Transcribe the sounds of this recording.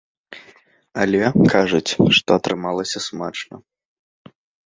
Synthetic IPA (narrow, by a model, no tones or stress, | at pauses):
ɐlʲɛkʰaʐut͡sʲʂt̪ɔɐt̪ɾɨmalˠɐsʲɐsmat͡ʂnɐ̰